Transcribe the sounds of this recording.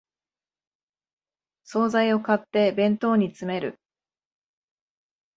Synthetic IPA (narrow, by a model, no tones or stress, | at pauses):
so̞ːzaio̞kat̪ːe̞bẽ̞nt̪o̞ːɲ̟it͡sɨme̞ɾɯ̟